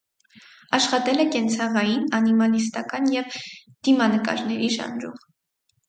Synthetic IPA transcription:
ɑʃχɑt̪ɛlɛkɛnt͡sʰɑʁɑjinɑnimɑlist̪ɑkɑnjɛv | d̪̥imɑnəkɑ̰ɾnɛɾiʃɑ̰nɾṵm

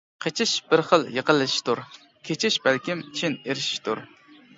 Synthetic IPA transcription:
qʰet͡ʃʰɪʃb̥ɪɾχəlˠjəqəlˠːɨʃi̥ʃt̪uɾ | kʲʰet͡ʃʰɪʃbælkʲimi̥t͡ʃʰineɾɪʃi̥ʃt̪ʰuɾ

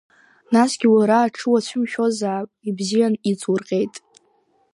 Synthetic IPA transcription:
nasɡʲiwaɾaːʈ͡ʂʰɨwat͡ɕʷʰʊmʃᶣozaːpʼibzijanit͡sʼʰwʊrqʲʼe̞jtʼ

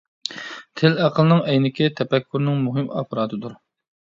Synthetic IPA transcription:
t̪ʰɪlæqʰəlˠɨnɨŋɛjnɪkʲit̪ʰɛpɛkʰʲːuɾnɨŋmuɦɨmɑ̰pʰɾɑːd̪ɨd̪uɾ

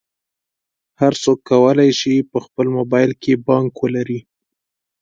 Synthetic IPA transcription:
haɾsokːawəlajʃipəxpəlmobɑjlkʰebɑŋkwəlaɾi

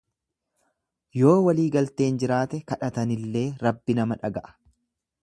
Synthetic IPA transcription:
jo̞ːwɐliːɡɐlt̪e̞ːnd͡ʒɪɾaːt̪ɛkɐᶑɐt̪ɐnɪlːe̞ːɾɐbːɪnɐmɐᶑɐɡɐʔɐ̥

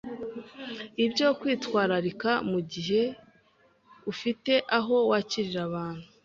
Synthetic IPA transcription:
ibɟo̞kwiːtwaːɾaɾikamuɟiɦe̞ | ufite̞ʔaɦo̞waːciɾiɾaβaːn̥hu

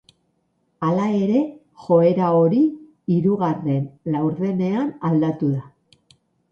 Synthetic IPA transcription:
alae̞ɾe̞ | xo̞e̞ɾao̞ɾi | iɾuɣare̞nlawɾðe̞ne̞anald̪at̪uða

